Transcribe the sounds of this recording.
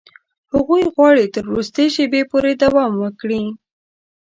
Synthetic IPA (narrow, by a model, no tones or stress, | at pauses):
haɣujɣwɑɽit̪əɾɾust̪əjʃebepoɾed̪awɑmwəkɽi